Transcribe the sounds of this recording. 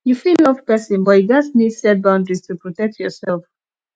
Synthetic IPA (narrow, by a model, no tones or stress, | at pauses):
jufillɔvpɛsɔ̃nbɔiɡatsnidsɛt̚bãʊ̃ndɹiz̥tʰupɹɔtɛk̚tʰjɔsɛlˠf